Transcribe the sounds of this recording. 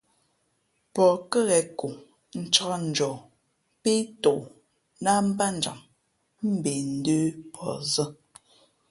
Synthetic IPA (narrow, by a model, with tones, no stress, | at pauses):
pɔ˨kə˦ɣɛ˨ku˨ | n̩˨t͡ʃa˦˨n̩˨d͡ʒɔ˨ | pe˦to˨ʔ | na˦m̩˦ba˦n˨d͡ʒa̰˨ŋ | m̩˦be˨n̩˦deː˦pʰɔ̰˨zə˦